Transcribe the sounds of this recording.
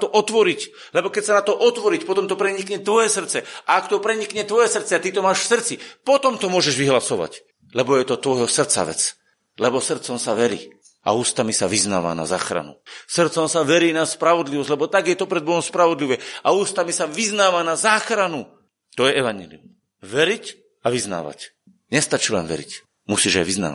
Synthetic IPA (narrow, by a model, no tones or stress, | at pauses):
t̪ɔʔɔt̪ʋɔɾic | lɛbɔkɛcsanat̪ɔʔɔt̪ʋɔɾicpɔt̪ɔmt̪ɔpɾɛɲikɲɛt̪ʋɔjɛsr̩t͡sɛʔaakt̪ɔpɾɛɲikɲɛt̪ʋɔjɛsr̩t̪t͡sɛat̪it̪ɔmaːʃfsr̩t͡sipɔt̪ɔmt̪ɔmʊɔʒɛʒʋiɦlasɔʋa̰c | lɛbɔjɛt̪ɔt̪ʋɔjɦɔsr̩t͡sa̰ʋɛ̰t͡s | lɛbɔsr̩t̪t͡sɔmsaʋɛɾḭː | ʔa̰uːst̪amisaʋizna̰ːʋa̰na̰za̰ːxɾa̰nṵsr̩t̪t͡sɔmsaʋɛɾiːnaspɾaʋɔd̪liʋɔzlɛbɔt̪aɡjɛt̪ɔpɾɛd̪̚bɔɦɔmspɾaʋɔd̪liʋɛauːst̪amisaʋiznaːʋanazaːxɾanu | t̪ɔjɛɛʋaɲɛlḭṵm | ʋɛɾic | aʋizna̰ːʋa̰c | ɲɛst̪at͡ʃiːlɛ̰nʋɛ̰ɾḭc | musiːʒa̰jʋizna̰ːa